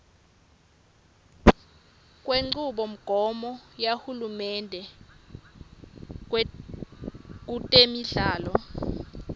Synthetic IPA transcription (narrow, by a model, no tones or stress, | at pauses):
kʼweŋ͡ǀuɓɔm̩ɡ̥ʱɔmɔjahulumɛndʱɛ | k̬utʼemiɮaːlɔ